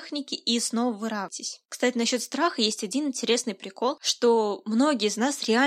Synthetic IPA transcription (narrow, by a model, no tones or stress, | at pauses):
xnʲɪkʲɪʔisno̞vəvɨɾavtʲɪsʲkst̪atʲɪnɐɕːo̞t̪st̪ɾaxəjesʲtʲɐdʲinɨnʲtʲɪɾʲe̞snɨjpɾʲɪko̞lˠʂt̪o̞mno̞ɡʲɪjəznasɾʲɪa